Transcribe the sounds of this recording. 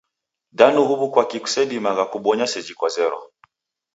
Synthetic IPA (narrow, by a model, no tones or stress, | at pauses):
danuhuβukwakiku̥sɛɓimaɣakuɓɔɲasɛd͡ʒikwazɛɾɔ̰